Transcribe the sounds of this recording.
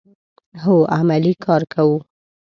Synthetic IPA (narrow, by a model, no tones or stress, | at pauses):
ɦoamalikʰɑɾkʰawu